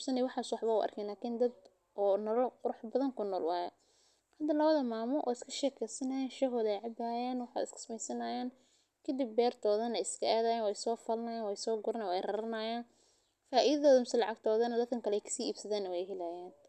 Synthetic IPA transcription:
sɐnɪwɑħɑːswɑħβɐʊ̰ʔɐ̰rkʰɛːnlaːkʰiːnd̪ɐd̪ | ʔɔːnɐɾɔqʊɾʊħbɐðɐŋkʰʊnːɔːlwɑːjɛ | hɐd̪ɐlɐβɐðɐmaːmɔʔɔ̰ːɪskʰɐ̥ʃɛːkʰɛjsɐnɐjaːnʃɐɦɔðɛjʕɑbaːjaːnwɑħa̰ːd̪ɪ̰skʰɐ̥smɛjsɐnɐːjaːn | kʰɐd̪ɪb̚ːɛːrt̪ʰɔːðɐnɛjɪskʰɐʔaːðaːjaːnwɛjsɔːfɐlɐnɐjaːnwɛjsɔːɡʊɾɐnɛwɛjrɐɾɐnɐjaːn | faːʔiðɐðɔːðɐmɪsɛlɑʕɑɡt̪ʰɔːðɐnɐd̪ɐkʰɐŋkʰɐlɛɛjkʰɐ̥siːiːbsɐðaːnːɐwɛjɦɪlaːjaːn

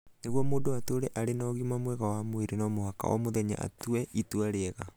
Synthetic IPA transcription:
neɣwɔmoːdoatoːɾɛʔaɾenɔɣimamwɛɣawamoeɾenɔmohaka̰ʔɔ̰moðɛɲa̰ʔa̰tuɛʔituaɾeɛɣa̰

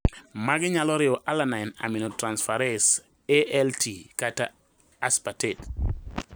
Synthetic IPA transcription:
maɡɪɲalɔɾɪɔʔalanana̰minɔtɾansfaɾɛs | eɛltʰikata | aspatet

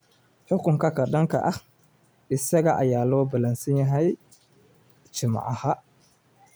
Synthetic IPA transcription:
ħʊkʰʊŋkʰɐkʰɐɖɐŋkʰɐ̰ʔɐh | ʔɪsɐɣɐʔɐ̰jaːlɔːbɐlɐnsɐnjɐɦɛj | t͡ʃɪmɑ̰ʕɑhɐ

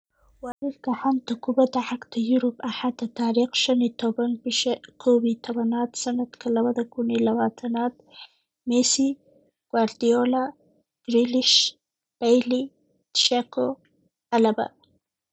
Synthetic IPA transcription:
waɾiɾkahamt̪akubad̪aʕakt̪əjuɾubaħat̪at̪aːɾiqʃanit̪obankʰobit̪ʰawanɑːt̪sanat̪kʰalawad̪akunilawat̪ʰanɑːt̪̚ | mesi | ɡ̥waɾd̪ijola | ɡ̥ɾiliʃ | b̥ajli | t̪ʃako | alaba̰

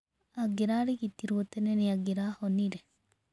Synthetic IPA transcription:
aɡiɾaɾikit̪ːiɾuot̪ːɛneniaɡiɾahoniɾe

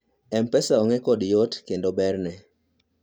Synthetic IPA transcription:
ɛmpɛsaɔŋɛkɔdjotkendobɛrnɛ

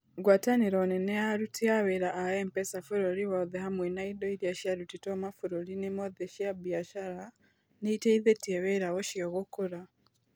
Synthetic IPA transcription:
ɡwataniɾɔnɛnɛaɾutʰiaweɾaʔaɛmpɛsafuɾɔɾiwɔðɛɦamwenaidɔiɾiaʃiaɾutitɔmafuɾɔɾinemɔðɛʃiabiaʃaɾa | neitɛiðɛtiɛβeɾawɔʃiɔɣokoɾa

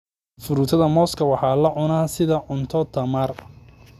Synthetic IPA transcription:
fʊɾuːt̪ʰɐðɐmɔːskʰɐwɑħɑːlɐʕʊnaːsɪðɐʕʊnt̪ʰɔt̪ʰɐmaːr

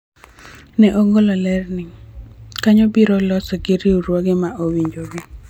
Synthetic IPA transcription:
nɛʔoŋɡolɔlɛrnɪŋkaɲɔbiɾɔlɔsɔɡɪɾiuɾwɔɡɪmaʔowiɲd͡ʒoɡɪ

